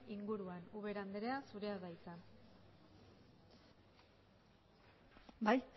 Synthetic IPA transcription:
iŋɡuɾuanuβe̞ɾand̪eɾe̞asuɾe̞aðajsan | bajt͡s

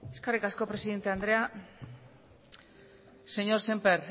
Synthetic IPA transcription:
eskarikasko̞pɾe̞siðe̞nt̪e̞and̪ɾe̞a | se̞ɲo̞ɾsempeɾ

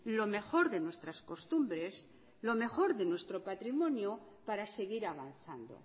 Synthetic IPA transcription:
lo̞me̞xo̞ɾðe̞nwe̞st̪ɾasko̞st̪umbɾe̞s | lo̞me̞xo̞ɾðe̞nwe̞st̪ɾo̞pat̪ɾimõ̞njo | paɾase̞ɣiɾaβ̞an̟θand̪o̞̰

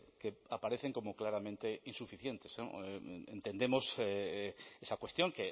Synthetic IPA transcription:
keapaɾeθe̞ŋko̞moklaɾamẽnt̪e̞insufiθje̞nt̪esno̰ḛ̃nt̪e̞nd̪e̞moseesakwe̞st̪jõ̞ŋke

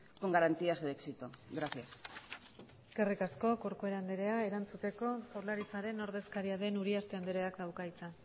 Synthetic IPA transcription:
koŋɡaɾant̪iaseksit̪oɡɾaθias | eske̞rikasko̞ko̞ɾkoe̞ɾand̪eɾe̞ae̞ɾant͡sut̪e̞ko̞poɾlaɾit͡saɾe̞no̞ɾðe̞skaɾiaðe̞nuɾiast̪eand̪eɾe̞akd̪awkajt͡sa

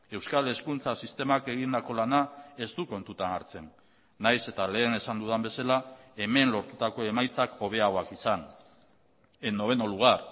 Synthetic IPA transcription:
e̞wskale̞skunt͡sasist̪e̞make̞ɣ̞ind̪ako̞lanae̞zd̪uko̞nt̪ut̪ana̰ɾt͡se̞nː | ajse̞t̪ale̞ːne̞sand̪uðambe̞salae̞me̞nlo̞ɾt̪ut̪ako̞e̞majt͡sako̞β̞e̞aɣo̞akisan | eno̞β̞e̞noluɣ̞ar

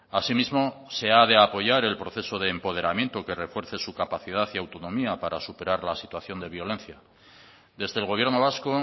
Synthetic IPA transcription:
asimizmo̞se̞aðe̞apo̞ʝaɾe̞lpɾo̞θe̞so̞ðe̞ːmpo̞ð̞e̞ɾamje̞nt̪o̞ke̞re̞fwe̞ɾθe̞sukapaθið̞aθiawt̪o̞nõ̞miapaɾasupe̞ɾaɾlasit̪waθjo̞nd̪e̞βjo̞lẽ̞n̟θja | d̪e̞zðe̞ːlɣ̞o̞β̞je̞ɾno̞β̞asko

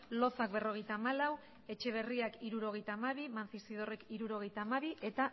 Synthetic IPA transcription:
lo̞θak̚be̞ro̞ɣ̞e̞jt̪aːmalaw | e̞t͡ʃe̞β̞e̞riakiɾuɾo̞ɣ̞ejt̪aːmaβ̞imanθisið̞o̞rekiɾuɾo̞ɣ̞e̞jt̪aːmaβiʔe̞t̪a

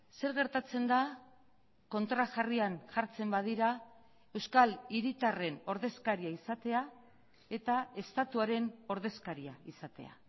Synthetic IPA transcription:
se̞ɾɣe̞ɾt̪at͡se̞nd̪a | ko̞nt̪ɾaʝarianʝaɾt͡se̞mbað̞iɾa | e̞wskaliɾit̪are̞no̞ɾðe̞skaɾiaisat̪e̞a | e̞t̪ae̞st̪at̪uaɾe̞no̞ɾð̞e̞skaɾiaisat̪e̞a̰

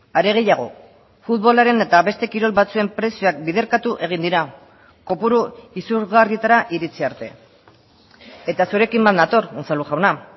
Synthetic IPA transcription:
aɾe̞ɣ̞e̞jaɣ̞o̞̰ | fut̪βo̞laɾe̞ne̞t̪aβe̞st̪e̞kiɾo̞lβat͡sue̞mpɾe̞sioak̚bið̞e̞ɾkat̪uʔe̞ɣ̞ind̪iɾa | ko̞puɾuisuɾɣariet̪aɾaʔiɾit͡siaɾt̪e̞ | e̞t̪asuɾe̞kimbannat̪o̞ɾunt͡saluʝawna

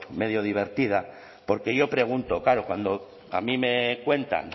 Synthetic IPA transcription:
með̞joð̞iβ̞e̞ɾt̪ið̞a | po̞ɾke̞ʝo̞pɾe̞ɣ̞unt̪o̞kaɾokwand̪o | a̰mĩme̞kwe̞nt̪a̰n

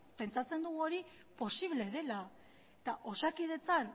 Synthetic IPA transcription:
pe̞nt͡sat͡se̞nd̪uɣuoɾi | po̞siβle̞ðe̞la | et̪aʔo̞sakið̞e̞t͡san

